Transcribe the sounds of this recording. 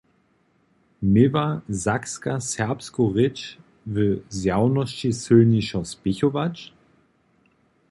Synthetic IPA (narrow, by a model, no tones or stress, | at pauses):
mevazakskasɛɐpskoʁɪt͡ʃ | vøzjaʊnɔʃisølniʃɔsb̥ɪçovat͡ʃ